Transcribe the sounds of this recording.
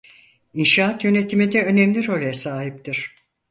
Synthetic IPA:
inʃaːat̪jø̞ne̞t̪ʰimid̪ɛø̞nɛmlʲiɾo̞lʲɛsaːɦip̚t̪ʰiɾ̥

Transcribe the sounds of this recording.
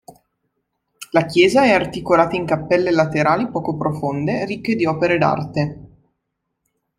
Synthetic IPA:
lakjɛːzaɛart̪ikolaːt̪aiŋkapːɛlːelat̪eɾaːlipɔːkopɾofond̪erikːed̪iɔːpeɾed̪a̰rt̪e

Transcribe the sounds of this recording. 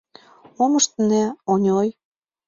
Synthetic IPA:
omɤ̆ʃt̪næonʲoj

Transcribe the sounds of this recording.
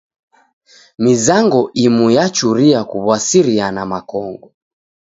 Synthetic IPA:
mizaŋɡɔʔimujat͡ʃuɾiakuβwasiɾianamakɔŋɡɔ

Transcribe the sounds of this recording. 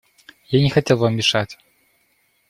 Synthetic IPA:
janʲɛxat͡sʲɛlˠvamʲiʂat͡sʲ

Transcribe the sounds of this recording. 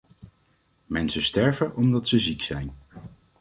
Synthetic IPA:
mɛnsəstɛɹvəʔɔmdɑtsəziksɛjn

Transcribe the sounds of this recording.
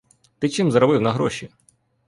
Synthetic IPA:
t̪ɪt͡ʃɪmzɐɾɔbɪwnɐɦɾɔʃi

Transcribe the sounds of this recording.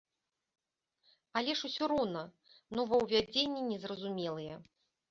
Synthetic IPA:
alʲɛʂusʲɔɾɔnɐ | nɔvɐwvʲad͡zʲenʲːɛnʲɛzrɐzumʲɛlˠɨjɛ

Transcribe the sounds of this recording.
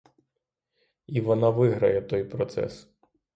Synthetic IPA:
iʋɔnɑʋɪɦɾɐjɛt̪ɔjpɾɔt̪sɛ̰s

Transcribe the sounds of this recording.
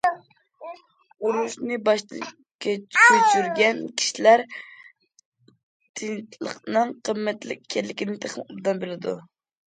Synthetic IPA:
uɾuʃnɨbɑʃt̪ | kʲɛt͡ʃyt͡ʃʰyɾɡʲɛnkʲʰi̥ʃilæɾ | t̪ʰɪŋtlˠə̰qnɨŋqʰəmːɛt̪lɪ̰kʲʰːɛlːɪkʲɪnɪt̪ʰeχmud̪ɑnbelɪd̪ṵ

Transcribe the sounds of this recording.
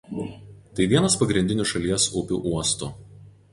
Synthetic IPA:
t̪ɐɪʋʲiɛnɐspɐɡɾʲɪnʲd̪ʲɪnʲʊʃɐlʲiɛsʊpʲṵːʔuɔst̪ʊ

